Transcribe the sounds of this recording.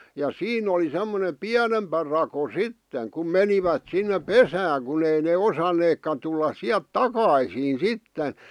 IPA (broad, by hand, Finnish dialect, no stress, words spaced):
jɑ siːn oli semːone piænempæ rɑko sitːeŋ kum meniʋæt sinːe pesæːŋ kun ei ne osɑneːkːɑ tulːɑs siæl̆t tɑkɑisiːn sitːen̞